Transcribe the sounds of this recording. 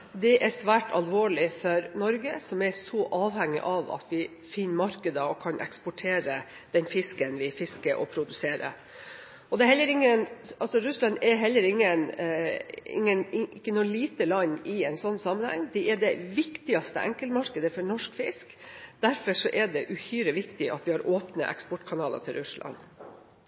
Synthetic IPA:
d̪ɛʔæɾsʋæːʈʰɑlʋoːɭɪfɔɾnɔɾɡəsɔmɛɾsɔʔɑːʋhɛŋːɪ̰ʔɑʋɑ̰t̪ʋɪ | fɪnːmɑɾkəd̪əɔkʰɑnʔɛ̰kspɔʈʰeːɾə | d̪̥ɛnfɪskənʋɪfɪskəɾʔɔ̰pʰɾʊd̪ʉseːɾə̰ | ʔɔd̪ɛhɛlːəɾɪŋːənɑlsɔɾʉslɑnɛɦɛlːəɾɪŋːən | ɪ̰ŋːənɪkːənuːəliːt̪əlɑɲɪɛɪnsɔnːsɑmːənhɛ̰ŋd̪ɛɛɖɛʋɪkt̪ɪɑst̪ə̰ʔɛ̰ŋkəlmɑɾkəd̪əfɔɳɔʂkfɪ̰skd̪̥æɾfɔʂɔʔɛɖɛʔʉhyːɾəʋɪkt̪ɪʔɑ̰t̪ʋɪhɑɾoːpnə̰ʔɛ̰kspɔʈkʰɑnɑːlɑ̰t̪ʰɪlɾʉslʔɑ̰n

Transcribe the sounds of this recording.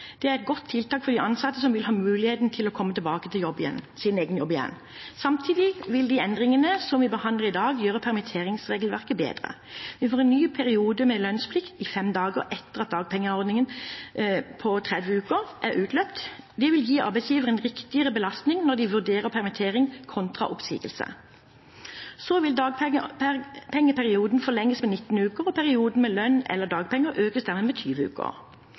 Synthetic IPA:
d̪̥ɛæʁɛt̪̚ɡɔt̪ʰːɪlt̪ɑːkfɔʁd̪ɪʔɑnsɑt̪ːəsɔmʋɪlhɑːmʉːlɪheːt̪n̩t̪ʰɪlɔkʰɔmːət̪ʰɪlbɑːkət̪ʰɪljɔbɪjɛ̰nsɪneːɡənjɔbːɪjɛ̰nː | sɑmt̪ʰiːd̪ɪʋɪld̪ɪɛnd̪ʁɪŋənəsɔmʋɪbəhɑnd̪ləʁɪd̪ɑːɡjøːʁəpʰæʁmɪt̪ʰeːʁɪŋsʁeːɡlʋæʁkəbḛːd̪ʁə̰ | ʋɪfoːʁɛnnːyːpʰæɾɪuːd̪əmɛlœnspʰlɪkt̪ɪfɛmd̪ɑːɡə̰ɾʔɛt̪ːəʁɑt̪̚d̪ɑːɡ̚pʰɛŋːəɔɾd̪nɪŋən | pʰɔt̪ʰʁɛd̪ʋəʉːkəʁʔæʁʉːt̪ʰlœpt̪d̪ɛʋɪljiːɑ̰ʁbæɪsjiːʋəʁɛnʁɪkt̪ɪəʁəbəlɑst̪nɪŋnɔd̪ɪʋʉʁd̪eːʁəpʰæʁmɪt̪ʰeːʁɪŋkʰɔnt̪ʁɑ̰ʔʊpsḭːɡəlsə̰ | soʋɪld̪ɑːɡpəpʰɛŋːəpʰæʁɪuːd̪n̩fɔlɛŋːəsmɛnɪt̪ːn̩ʉːkəʁɔpʰæʁɪuːd̪n̩mɛlœnːɛ̰lːəʁd̪ɑːɡpʰɛŋːəɾøːkəsd̪æʁmɛːmɛt̪ʰyːʋəʉ̰ːkə̰ʁ

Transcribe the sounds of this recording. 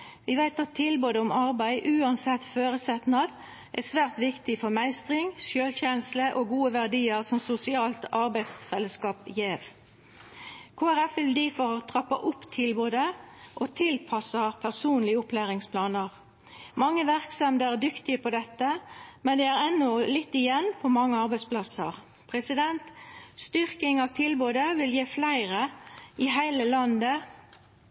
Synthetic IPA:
ʋɪʋæɪt̪ɑt̪ʰːɪlboːd̪əʊmɑʁbæɪʔʉːɑnsɛt̪ːføːɾəsɛt̪nɑd̪ | ʔæsʋæːʁt̪ʋɪkt̪ɪfɔʁmæɪst̪ʁɪŋsjøːlçɛnsləʔoɡuːəʋæʁd̪iːəʁsɔmsʊsɪɑːlt̪ɑʁbæɪd̪sfɛlːəskɑːpjeːʋ | kʰoːæʁɛfʋɪld̪iːfɔɾɑt̪ʰʁɑpːɑ̰ʔʊpːt̪ʰɪlbøːd̪əʔot̪ʰɪlpʰɑsəpʰæʁsuːnlɪəʊpʰlæːʁɪŋspʰlɑːnəʁ | mɑŋːəʋæʁksɑmd̪əæd̪ʏkt̪ɪəpʰɔd̪ɛt̪ːəmɛnd̪ɛæʁɛnːʊlɪt̪ːɪjɛnːpʰɔmɑŋːəɑʁbæɪspʰlɑsə̰ʁ | pʰʁɛsɪd̪ɛnt̪st̪ʏʁkɪŋɑʋt̪ʰɪlboːd̪əʋɪljeːflæɪʁəɪɦæɪləlɑnd̪ə

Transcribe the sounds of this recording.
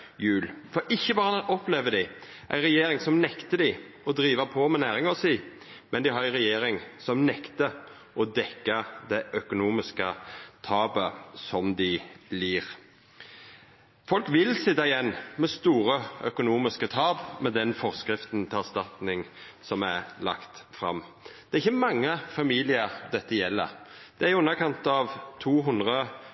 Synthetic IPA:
jʉːlfɔɾɪçːəbɑːʁəʔɔpleːʋəd̪ɪ | ʔæ̰ɪʁɛjeːɾɪŋsɔmnɛkt̪əd̪ɪ | ɔd̪ɾiːʋəpʰɔmɛnæːʁɪŋɔsiː | mɛnd̪ɪhɑɾæɪʁɛjeːɾɪŋsɔmnɛkt̪ə | ɔd̪ɛkːɑd̪ɛʔœkʊnuːmɪskət̪ʰɑːbəsɔmd̪ɪliːʁ | fɔlkʋɪlsɪt̪ːɑɪjɛnːmɛst̪uːʁəœkʊnuːmɪskət̪ʰɑːbmɛd̪ɛnfɔʁskɾɪft̪nt̪ʰɪæst̪ɑt̪nɪŋsɔmælɑ̰kt̪fɾɑ̰m | d̪̥ɛːʁɪçːəmɑŋːəfɑmiːlɪəʁd̪ɛt̪ːəjɛlːə̰d̪̥ɛæɾʉnːəkʰɑnt̪ɑʋt̪ʰuːɦʊnd̪ʁə

